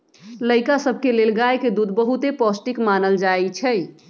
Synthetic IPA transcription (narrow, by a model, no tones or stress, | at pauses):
ləjkasəbʱkelelɡajked̪ud̪ʱbəɦut̪epɔsʈikmanəld͡ʒajt͡ʃʰɛ